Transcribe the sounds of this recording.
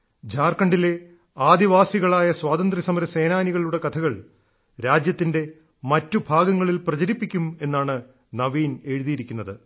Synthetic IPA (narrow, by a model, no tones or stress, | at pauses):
d͡ʑʱaːrkɐɳɖile | aːd̪iʋaːsiɣɐɭaːjɐswaːt̪ɐnd̪risɐmɐɾɐse̞ːnaːniɣɐɭuɽe̞kɐt̪ʰɐɣɐɭ | ɾaːd͡ʑjɐt̪ːinde̞ | mɐtːubʱaːɡɐŋːɐɭilprɐt͡ɕɐɾipːikʲːume̞nːaːɳɨ | nɐʋiːne̞ɻuðijiɾikʲːunːɐðɨ